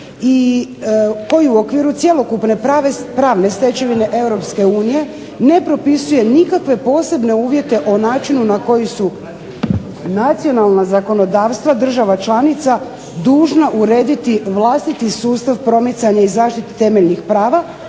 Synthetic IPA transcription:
i | ko̞jiuo̞kʋiːɾut̪sje̞lo̞kupne̞ʋepɾaːʋne̞st̪e̞t͡ɕeʋine̞ʔe̞wɾo̞pske̞uːnije̞ | ne̞pɾo̞pisuje̞nikakʋe̞po̞ːse̞bne̞uːʋje̞t̪e̞ʔo̞naːt͡ʃinunako̞jisu | nat̪sio̞nalˠnazako̞no̞d̪aːʋst̪ʋad̪r̩ʒaʋat͡ʃlˠanit̪sa | d̪uːʒnaʔuɾe̞ːd̪it̪iʋlˠast̪it̪isuːst̪aʋpɾo̞mit̪saɲaizaːʃt̪it̪e̥t̪e̞me̞ʎnixpɾaːʋa

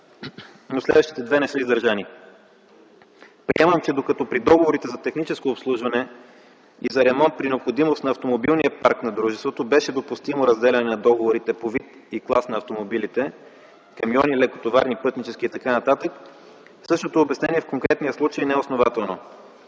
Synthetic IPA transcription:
noslɛ̰d̪vəʃt̪i̥t̪ɛd̪vɛnɛsɤizd̪əɾʒani | pɾḭɛməmt͡ʃɛd̪okɐt̪ɔpɾid̪ɔɡovoɾit̪ɛzɐt̪ɛxnit͡ʃɛskoːpslˠuʒvɐnɛ | izɐɾɛmɔnt̪̚pɾinɛopxod̪imost̪nɐft̪omobilˠniəpa̰ɾknɐd̪ɾuʒɛst̪vot̪obɛʃɛd̪opust̪imoɾɐzd̪ɛlʲɐnɛnɐd̪ɔɡovoɾit̪ɛpovit̪ | iklˠasnɐft̪omobilit̪ɛ | kɐmjɔnilɛkot̪ova̰ɾnipɤt̪nit͡ʃɛskʲiːt̪ɐkanɐt̪at̪ək | fsɤʃt̪ot̪oːbɛsnɛniɛfkoŋkɾɛt̪nijəslˠut͡ʃəjinɛɛosnovat̪ɛlˠno

